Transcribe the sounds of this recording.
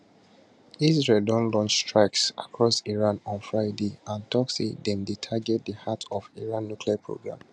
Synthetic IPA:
izɹeldɔ̃nlɔ̃nt͡ʃstɹaɪksa̰kʰɹɔsiɹãnɔ̃nfɹaɪdeãntʰɔksḭdɛ̃mditʰaɡɛd̚dəhatʰɔviɹãnːjukʰliapʰɹo̰ɡɹã̰m

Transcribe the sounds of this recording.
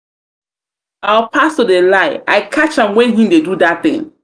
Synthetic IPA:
awpʰastudelaɪaɪkʰat͡ʃãmwɛ̃nɦĩmdedudat̚θɪ̰̃ŋ

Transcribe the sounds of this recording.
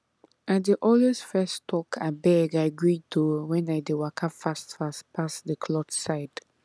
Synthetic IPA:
at̚dəʔɔlwesfɛstʰɔkʰabɛɡaɪaɡɹid̚tʰuwɛ̃naɪdewakʰapfastfaspʰasðəkʰlɔtsaɪd̥

